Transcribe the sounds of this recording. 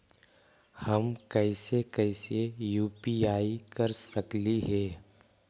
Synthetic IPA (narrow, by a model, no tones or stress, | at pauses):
hɐmkɛɪsekɛːsejuːpiaːikɐɾsɐkliɦɛː